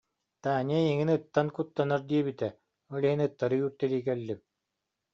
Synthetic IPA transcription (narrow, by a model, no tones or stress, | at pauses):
t̪aːniɛiŋinɯt̪ːankut̪ːanaɾd̪iɛbit̪ɛ | ɔliinɯt̪ːaɾɯjyːɾt̪ɛliːkɛlːip̚